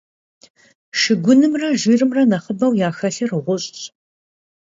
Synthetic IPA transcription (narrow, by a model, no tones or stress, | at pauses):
ʃɨɡʷʊnɨmrɐʒiːrɨmrɐnɐχəbɐwjaːxɐɬɐrɨʁʷʊɕʼɕʼ